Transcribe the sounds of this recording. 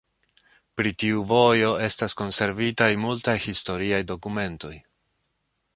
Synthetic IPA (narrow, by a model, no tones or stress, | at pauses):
pɾitiuvo̞jo̞e̞stasko̞nse̞ɾvitajmultajhisto̞ɾiajdo̞kume̞nto̞j